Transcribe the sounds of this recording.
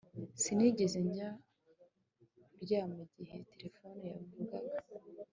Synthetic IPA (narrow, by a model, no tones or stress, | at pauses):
siniɟe̞ze̞ɲɟa | ɾɟaːmuɟihe̞te̞ɾe̞fo̞nojavuɡaɡa